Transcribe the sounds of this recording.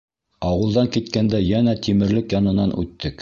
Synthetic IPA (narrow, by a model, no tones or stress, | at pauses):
ɑwɤ̆lˠd̪ɑŋkit̪kænd̪æjænæt̪imɘ̆ɾlɘkjɑnɤ̆nɑnʔʉ̰t̪ːɘk